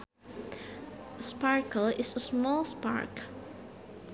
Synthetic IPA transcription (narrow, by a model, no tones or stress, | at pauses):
spɑɹkəlɪsəsmɔlˠspɑ̰ɹk